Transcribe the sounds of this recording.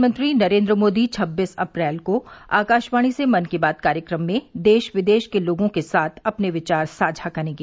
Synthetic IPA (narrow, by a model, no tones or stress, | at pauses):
mə̃nt̪ɾinɐɾẽːnd̪ɾəmoːd̪it͡ʃʰɐbːiːsɐpɾɛːlkoa̰ːkaːʃʋaːɽ̃isemɐnkebaːd̪̚kaːɾjəkɾəmːẽd̪eːʃʋɪd̪eːʃkeloːɡõkesaːt̪ʰɐpneʋɪt͡ʃaːɾsaːd͡ʒʱakɐɾẽːŋɡeː